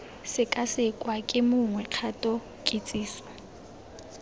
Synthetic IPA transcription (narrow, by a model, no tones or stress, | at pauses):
sɪkʼasɪkʼwakʼɪmʊŋwɛq͡χʰatʼɔ | kʼet͡sʼiːsɔ̥